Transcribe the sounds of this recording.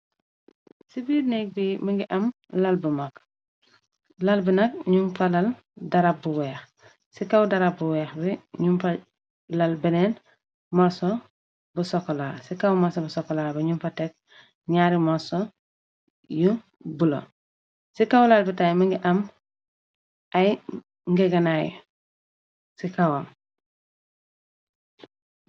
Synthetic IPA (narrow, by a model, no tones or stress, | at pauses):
sibiːɾnek̚bimiŋɡiʔɐm | lalbumak | lɐlbinɐk̚ɲumfalɐl | dɐɾap̚ːuwɛːx | sikawdɐɾab̚buwɛːxbiɲumfa | lalbɛnɛn | maso | busokːolaːsikawmasobusokːolaːɾbiɲumfɐtek̚ | ɲaːɾimoso | ju | bulo̰ | sikawlalbitajmɐŋɡiʔɐm | ɐj | ŋɡeɡɐnajṵ | sikawam